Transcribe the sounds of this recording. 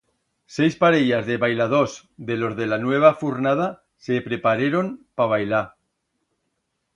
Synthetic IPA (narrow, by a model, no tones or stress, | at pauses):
sejspaɾeʝazðe̞βajlað̞os | ðe̞lo̞zðe̞lanwe̞β̞afuɾnað̞a | sepɾepaɾeɾo̞mpaβ̞ajla